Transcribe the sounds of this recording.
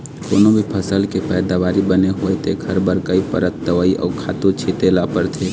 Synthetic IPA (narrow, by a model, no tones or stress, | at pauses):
ko̰ːnõbʱipʰəsəlkepɛːd̪aʋaːɾibəneɦoːet̪ʰeɡʰʱɐɾbəɾkəipəɾət̪̚d̪əʋaːiʔɔ̰ːɾkʰaːt̪ot͡ʃʰeːt̪eːlapəɾt̪ʰeː